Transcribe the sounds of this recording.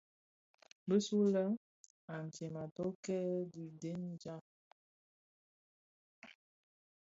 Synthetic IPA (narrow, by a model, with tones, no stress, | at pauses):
bə˦su˦lə˦ | a˨n˨t͡ʃe˨ma˨tɔ˦kɛ˦di˨de˦n˦d͡ʒa˦